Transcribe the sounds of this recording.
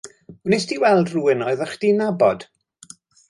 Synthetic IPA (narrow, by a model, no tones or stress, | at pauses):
ʊnɪsdiwɛlˠdruɪnɔɨðəχd̥inabɔd̥